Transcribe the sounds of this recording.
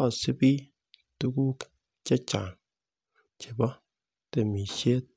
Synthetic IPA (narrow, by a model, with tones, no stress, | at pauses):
a˨si˦bi˦ | tu˦ku˦ | t͡ʃe˦t͡ʃa˨ŋ | t͡ʃe˨ba˦ | te˨mi˨ʃe˦